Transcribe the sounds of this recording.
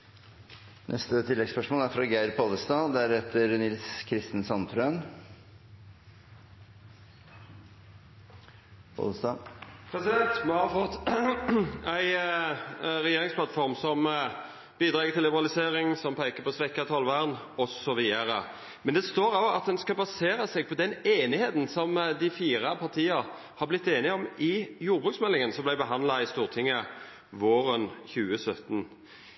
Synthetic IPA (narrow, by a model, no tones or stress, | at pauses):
nʔɛst̪ət̪ʰɪlːɛɡspœʂmoːlæɾfɾɑɡæɪɾpʰoːləst̪ɑːd̪æɾheːt̪əɾnɪlskʰɾɪst̪ənsɑnt̪ʰɾøːn | pʰo̰ːləst̪ɑpʰɾɛsɪd̪ɛnt̪mɛhɑfɔt̪ː | æɪ | ɾɛjeːɾɪŋspʰlɑt̪fɔʁmsɔm | b̥iːd̪ɾɑːɡət̪ʰɪlːɪbəʁɑlɪseːʁɪŋsɔmpʰæɪkəpʰɔsʋɛkːɑt̪ʰɔlʋæʁn | ɔsɔʋiːəɾə | mɛnd̪ɛst̪oːɾɑɡɑt̪̚d̪ɛnskɑbɑseːɾɑsɛːɡ̚pʰɔd̪ɛneːnɪheːt̪n̩sɔmd̪æɪfiːʁɑpʰɑʁt̪ʰiːɑɾ | hɑʁblɪt̪ːeːnɪɔmɪjuːɾbʁʉk̪smɛlːɪŋənsɔmblæɪbəɦɑnlɑɪst̪uːʁt̪ʰɪŋːə | ʋoːɾənçʉːəsœt̪n